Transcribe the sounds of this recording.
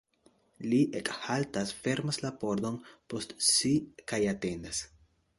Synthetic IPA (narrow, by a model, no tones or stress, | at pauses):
liʔekhaltasfe̞ɾmaslapo̞ɾd̪o̞npostsikajate̞nd̪as